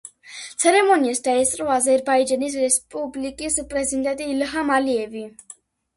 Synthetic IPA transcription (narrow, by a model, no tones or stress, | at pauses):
t̪sʰɛɾɛmɔniasd̪aɛst̪ʼɾɔazɛɾbaid͡ʒanis̬ɾɛspʼublikʼispʼɾɛzid̪ɛnt̪ʼiːlɦamaliɛvi